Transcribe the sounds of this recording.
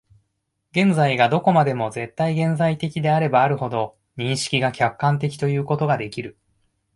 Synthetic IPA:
ɡẽ̞nzaiɡad̪o̞ko̞mad̪e̞mo̞ze̞t̪ːaiɡẽ̞nzait̪e̞kʲid̪e̞aɾe̞baːɾɯ̟ho̞d̪o̞ | ɲ̟ĩɰ̃ɕi̥kʲiɡakʲakːãnt̪e̞kʲi̥t̪o̞jɯ̟ːko̞t̪o̞ɡad̪e̞kʲiɾɯ̟

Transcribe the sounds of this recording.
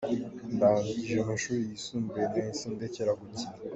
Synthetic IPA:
ndaːɲɟiʒeamaʃuːɾijisuːmbujeneinsiːndeceɾaɡuci

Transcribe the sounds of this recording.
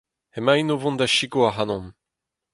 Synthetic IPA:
hemajnovɔ̃nd̪aʃiɡoaɦanɔ̃m

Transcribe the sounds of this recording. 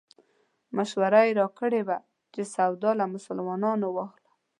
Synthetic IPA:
maʃwaɾajɾɑkəɽeba | t͡ʃesawd̪ɑlamʊsalmɑnɑnowɑxlḁ

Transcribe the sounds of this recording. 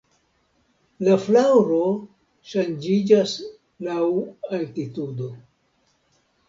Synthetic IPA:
laflawɾo | ʃand͡ʒid͡ʒas | lawaltitudo

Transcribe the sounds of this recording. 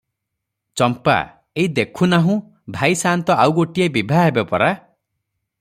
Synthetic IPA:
t͡ʃɔmpa̰ | eid̪ekʰunaɦũ | bʱajsant̪ɔawɡoʈiebibʱaɦebepɔɾa

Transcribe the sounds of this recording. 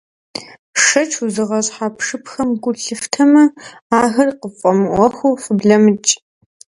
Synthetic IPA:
ʂɐt͡ʃʰuzɨʁɐɕħaːpʰʂɨpxɐmɡʷʊɬɨftʰɐmɐ | aːɣɐrqəfʼɐmɨʔʷɔxʷuwfɨbɮɐmɨt͡ʃʼ

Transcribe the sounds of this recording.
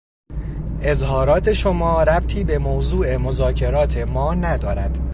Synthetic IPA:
ʔe̞zɦɒːɾɒːt̪ʰe̞ʃomɒːɾæb̚t̪ʰiːbe̞moːzuːʔe̞mozɒːcʰe̞ɾɒːt̪ʰe̞mɒːnæd̪ɒːɾæd̪̥

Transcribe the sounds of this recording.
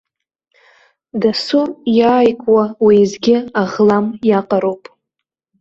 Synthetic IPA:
dasujaːjkʼwawizɡʲɪaʁlamjaqʼaɾowpʼ

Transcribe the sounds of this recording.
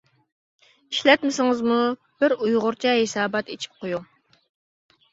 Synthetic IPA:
iʃlɛt̪mɪsɪŋɨzmu | b̥ɪɾujʁʊɾt͡ʃʰɛɦesɑːbɑt̪et͡ʃʰi̥p̚qʰoju

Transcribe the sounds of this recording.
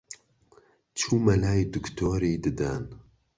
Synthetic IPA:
t͡ʃʰuːmɛlaːjd̪ɨkt̪ʰoːɾeːd̪ɨd̪ɛn

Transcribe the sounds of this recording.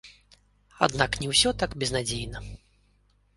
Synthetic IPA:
a̰d̪naknʲɛwsʲɔt̪akbʲɛznad͡zʲejnɐ

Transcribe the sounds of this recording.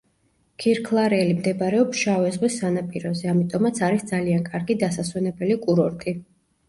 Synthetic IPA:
kʰiɾkʰlˠaɾɛːlimd̪ɛbaɾɛɔpsʃavɛzʁwisːanapʼiɾɔzɛamit̪ʼɔmat̪sʰaɾisd̪zaliankʼaɾɡid̪asaswɛnɛbɛlikʼuɾɔɾt̪ʼi

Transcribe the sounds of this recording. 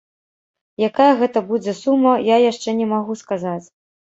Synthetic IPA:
jakajɐɣɛt̪ɐbud͡zʲɛsumːɐjajaʂt͡ʂɛnʲɛmaɣuskazat͡sʲ

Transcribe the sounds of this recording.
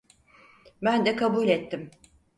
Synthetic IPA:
bænd̪ɛkʰabulʲɛt̪ːim

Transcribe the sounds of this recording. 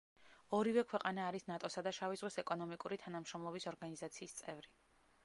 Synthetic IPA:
ɔɾivɛkʰwɛqʼanaːɾisnat̪ʼɔsad̪aʃavizʁwɛsɛkʼɔnɔmikʼuɾit̪ʰanamʃɾɔmlˠɔbisɔɾɡanizat̪sʰiːst̪sʼɛvɾi

